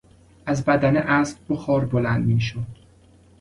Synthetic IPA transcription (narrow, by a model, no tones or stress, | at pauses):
æzbæd̪æneʔæːsp̚boxɒːɾbolænd̪miːʃod̪̥